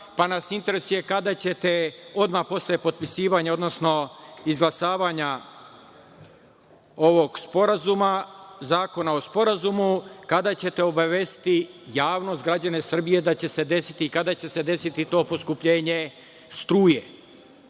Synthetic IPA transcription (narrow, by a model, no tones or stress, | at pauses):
panasint̪e̞ɾe̞suje̞kad̪at͡ɕe̞t̪e̞o̞d̪mapo̞sljepo̞t̪̚pisiːʋaɲao̞d̪no̞sno̞izɡlˠasaːʋaɲa | o̞ʋo̞ɡspo̞ɾazumazaːko̞nao̞spo̞ɾazumukad̪at͡ɕe̞t̪e̞o̞baʋest̪i̥t̪ijaːʋno̞st̪ɡɾad͡ʑane̞sr̩bije̞d̪at͡ɕe̞se̞d̪e̞si̥t̪iːkad̪at͡ɕe̞se̞d̪e̞sit̪it̪o̞ːpo̞skupʎeːɲe̞ | st̪ɾuːje